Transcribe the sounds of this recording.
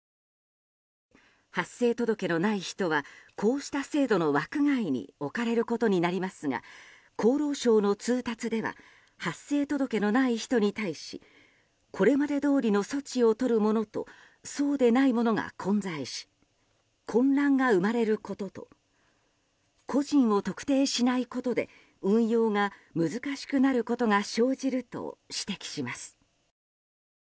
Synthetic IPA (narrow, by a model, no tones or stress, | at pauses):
hasːe̞ːt̪o̞d̪o̞ke̞no̞naiçi̥t̪o̞β̞akʰo̞ːɕi̥t̪ase̞ːd̪o̞no̞βakɯ̟ɡaiɲ̟ḭo̞kaɾe̞ɾɯ̟ko̞t̪o̞ɲ̟inaɾʲimasɨŋa̰ | kʰo̞ːɾo̞ːɕo̞ːno̞t͡sɨːt̪at͡sɨd̪e̞βa̰ | hasːe̞ːt̪o̞d̪o̞ke̞no̞naiçi̥t̪o̞ɲ̟it̪aiɕḭ | kʰo̞ɾe̞mad̪e̞d̪o̞ːɾʲino̞so̞t͡ɕio̞t̪o̞ɾɯ̟mo̞no̞t̪o̞̰ | so̞ːd̪e̞naimo̞no̞ɡa̰kʰõ̞nd͡zaiɕi̥ | kʰõ̞nɾãŋɡaɯ̟maɾe̞ɾɯ̟ko̞t̪o̞t̪o̞̰ | kʰo̞ʑĩɰ̃o̞t̪o̞kɯ̥t̪e̞ːɕinaiko̞t̪o̞d̪e̞̰ | ɯ̟̃ɰ̃jo̞ːŋamɯ̟zɨkaɕi̥kɯ̟naɾɯ̟ko̞t̪o̞ŋaɕo̞ːʑiɾɯ̟t̪o̞̰ɕi̥t̪e̞kʲi̥ɕimasɨ̥